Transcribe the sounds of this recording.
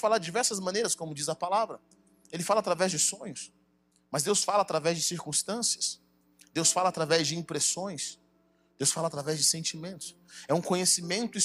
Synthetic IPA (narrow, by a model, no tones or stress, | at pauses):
falaɾd͡ʒɪd͡ʒivɛɾsɐzmɐ̃nejɾɐskõmʊd͡ʒizɐpalavɾɐ | elɪfalɐat̪ɾavɛzd͡ʒɪsõɲʊs | mɐzd̪ewsfalɐaːt̪ɾavɛzd͡ʒɪsiɾkũst̪ɐ̃siɐs | d̪ewsfalɐaːt̪ɾavɛzd͡ʒɪĩpɾesõj̃s | d̪̥ewsfalaːt̪ɾavɛzd͡ʒɪsẽnt͡ʃimẽnt̪ʊ̥sɛũkõɲesimẽnt̪ʊɪ